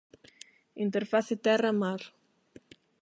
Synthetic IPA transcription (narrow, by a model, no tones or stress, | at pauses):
int̪eɾfaθɪt̪ɛrɐmaɾ